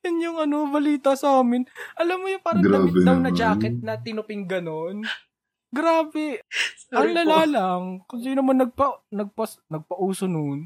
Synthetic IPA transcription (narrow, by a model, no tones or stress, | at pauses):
jʊnjʊŋɐno̞bɐliːt̪ɐsɐaːmɪnʔɐlamːʊjʊpaːɾɐɡ̪aɪɐwnɐd͡ʒaːkɛt̪̚nɐt̪ɪnʊpɪŋɡɐnon | ɡɾaːbɛ | ɐŋlɐlaːlɐŋkʊŋsiːnomɐnːɐɡ̚pɐnɐɡ̚pɐsnɐɡ̚pɐʔuːsonon